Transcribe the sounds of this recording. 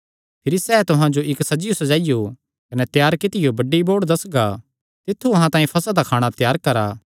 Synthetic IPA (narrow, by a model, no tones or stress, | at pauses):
pʰɪɾisɛːt̪ʊɦãd͡ʒoʔɪksɐd͡ʒɪjosɐd͡ʒaːɪjo | kɐnɛt̪jaːɾkɪt̪ɪjobɐɖːiboːɽd̪ɐsɡa | t̪ɪt̪ʰːuɐɦãt̪ãːĩpʰɐsəd̪akʰaːɽ̃at̪jaːɾkɐɾaː